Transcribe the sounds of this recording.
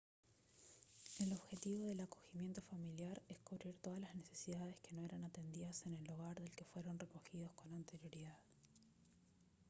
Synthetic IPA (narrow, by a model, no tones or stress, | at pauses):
e̞lo̞βxe̞t̪iβo̞ð̞e̞lako̞ximje̞nt̪o̞familjaɾeskuβɾiɾt̪o̞ðalazne̞se̞̥siðaðe̞ske̞no̞eɾanat̪e̞nd̪iðase̞ne̞lːuɣaɾðe̞lke̞fwe̞ɾo̞nre̞ko̞xið̞o̞sko̞nant̪e̞ɾjo̞ɾiðað